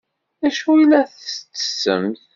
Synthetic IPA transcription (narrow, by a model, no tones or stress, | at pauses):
æʃuilːæθəst͡sːə̥sə̰mθ